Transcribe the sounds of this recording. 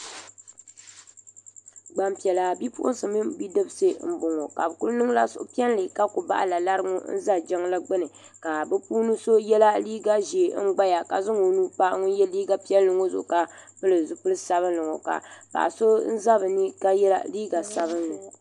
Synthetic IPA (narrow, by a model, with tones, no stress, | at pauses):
ɡ͡ba˨m˨pi˨ɛ˨la˨bi˦pʊ̰˦ʔʊ̰˦n˦sɨ˨mi˦bi˦dɨ˦bse˦m̩˦bʊ˨ŋo˨ka̰˨bɨ˨ku˦lnɨ˦ŋ˦la̰˦sʊ̰˦ʔʊ˦pi˦ɛ˦n˦lɨ˨ka˦kʊ˨ba̰˦ʔa˨la˨la˦ɾɨ˦ŋo̰˦n̩˦za˦d͡ʒɛ˦ŋla˦ɡ͡bɨ˦nɨ˨ | ka˨bɨ˦puː˦nɨ˦so˦jɛ˦la˦liː˦ɡa˦ʒi˨˦ɡ͡ba˦ja˨ka˨zɨ˦ŋo˨nuː˦pa˦ʔŋʊ˦jɛ˦liː˦ɡa˦pi˦ɛ˦nːɨ˨ŋo˦zʊ̰˨ʔʊ˨ka˨pɨ˦lɨ˨zu˦pɨ˦lɨ˦sa˨βɨ˦nlɨ˨ŋɔ˨ka̰˨pa̰˨ʔso˦n̩˦za˦bɨ˨ni˦ka˦jɛ˦la̰˦liː˦ɡa˨sa˦βɨ˦nlɨ˨